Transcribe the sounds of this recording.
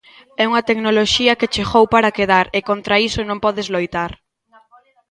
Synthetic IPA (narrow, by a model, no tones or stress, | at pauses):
ɛuŋɐt̪eknoloʃiɐket͡ʃeɣowpaɾakeðaɾekont̪ɾaisonõmpɔðezlojt̪aɾ